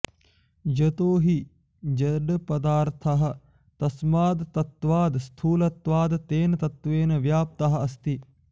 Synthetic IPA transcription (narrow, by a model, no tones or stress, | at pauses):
d͡ʒɐt̪oːɦi | d͡ʒɐɖpɐd̪aːɾt̪ʰɐɦɐ̆ | t̪ɐsmaːd̪t̪ɐt̪ʋaːd̪st̪ʰuːlɐt̪ʋaːd̪t̪eːnɐt̪ɐt̪ʋeːnɐʋjaːp̚t̪ɐɦɐ̆ɐst̪i